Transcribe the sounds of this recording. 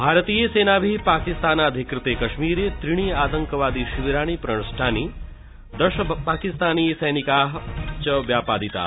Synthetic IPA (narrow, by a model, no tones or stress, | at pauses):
bʱaːɾət̪iːjeseːnaːbʱipaːkist̪aːnaːd̪ʱikɾɪt̪eːkɐʃmiːɾet̪ɾiɽ̃iːaːt̪ɐŋkəʋaːd̪iʃuʋiɾaːɳ̃ipɾɐɳ̃sʈʰaːni | d̪ɐʃɐpaːkist̪aːniːsɐjnikaːɦt͡ʃɐʋjaːpaːd̪it̪a̰